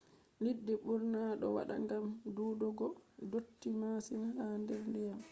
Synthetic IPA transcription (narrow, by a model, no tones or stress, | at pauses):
lidːɛɓuɾnaɗɔ̰wa̰ɗa̰ŋɡamduːdɔɡɔdotːimasimahandɛɾndijam